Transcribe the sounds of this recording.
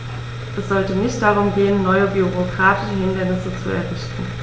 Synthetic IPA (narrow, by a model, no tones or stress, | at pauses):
ʔɛsz̥ɔltənɪçtd̥aʁ̞ʊmɡeːənːɔʏəbyʁokʁ̥aːtʰɪ̥ʃəhɪndɐnɪsət͡sṵɛ̰ɐvɪçtn̩